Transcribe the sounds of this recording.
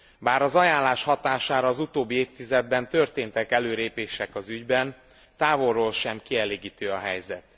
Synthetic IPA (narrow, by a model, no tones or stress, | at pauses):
baːɾɒzɒjaːnlːaːʃhɒt̪aːʃaːɾɒːzut̪oːbːieːt̪ːizɛd̪̚bɛnt̪ø̞rt̪eːnt̪ɛkɛløːɾeːpeːʃɛkɒzyɟbɛn | t̪aːvo̞rːoːlʃɛmkiɛleːɡiːt̪øːɒɦɛjzɛ̰t̪